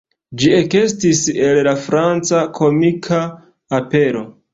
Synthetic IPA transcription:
d͡ʒie̞ke̞stise̞llafɾant͡sakʰo̞mikʰaː | pe̞ɾo̞

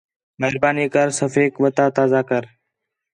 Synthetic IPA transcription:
meɦɾbaːniːkəɾsəfeːkʋət̪aːt̪aːzaːkəɾ

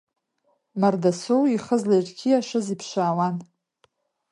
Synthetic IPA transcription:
mardasowiχəzlajrɡʲʰiaʃazipʰʂaːwan

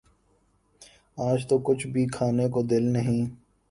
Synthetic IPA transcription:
aːd͡ʒt̪okʊt͡ʃʰbʱikʰaːnekod̪ɪlnəɦĩː

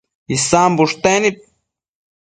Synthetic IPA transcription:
isambuʂt̪enip̚

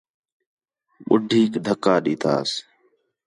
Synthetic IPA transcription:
ɓʊɖʱiːkd̪ʱəkːaːɗiːt̪ʰa̰ːs

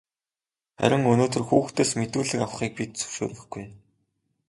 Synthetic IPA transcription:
χæ̰ɾʲɪ̆ŋɵnoːt̪ɵ̆rxuːxt̪ʰeːsmet̪uːɮɘ̆kaw̆χiːk̚pit̪̚t͡sɵ̥wʃo̰ːrɘ̆xɡuj

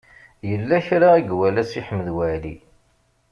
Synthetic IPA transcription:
jəlːæçɾaiɡwælæsiħəmːəðwæʕli

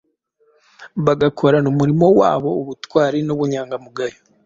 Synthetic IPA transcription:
βaɡakʰo̞ɾanomuɾimo̞wa̰ːβo̞ːβutwaːɾinoβuɲaːŋɡamuɡajo

